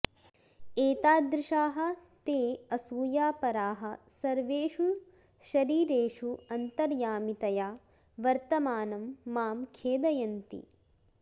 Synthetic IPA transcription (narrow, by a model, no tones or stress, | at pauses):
eːt̪aːd̪ɾɪʃaːɦɐ̆t̪eːɐsuːjaːpɐɾaːɦɐ̆sɐɾʋeːʃuɭ | ʃɐɾiːɾeːʂuɐnt̪ɐɾjaːmit̪ɐjaː | ʋɐɾt̪ɐmaːnɐmːaːmkʰeːd̪ɐjɐnt̪ḭ